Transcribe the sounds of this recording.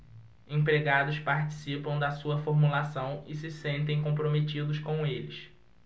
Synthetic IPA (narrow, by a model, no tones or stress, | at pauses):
ẽpɾeɡad̪ʊspaɾt͡ʃi̥sipɐ̃w̃d̪ɐsuɐfoɾmulasɐ̃w̃ɪsɪsẽnt̪̬ẽj̃kõpɾomet͡ʃid̪ʊskõw̃elɪs